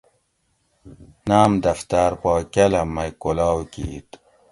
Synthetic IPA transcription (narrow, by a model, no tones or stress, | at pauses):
naːmd̪ɐft̪aɾpoːkɐlɐmːɐjkolaːwkḭːt̪